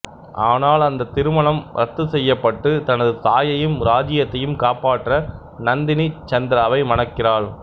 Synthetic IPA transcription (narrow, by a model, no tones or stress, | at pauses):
ʔaːnaːlɐnd̪ɐt̪ɪɾɯmɐɳɐmɾɐ̰t̪ːɯsɛjːɐpːɐʈːɯt̪ɐnɐðɯt̪aːjɐjɯmɾaːd͡ʒɪjɐt̪ːɐjɯmkaːpaːʈːrɐ | nɐnd̪ɪnit͡ʃɐnd̪ɪɾaːʋɐɪmɐnɐkːɪraːɭ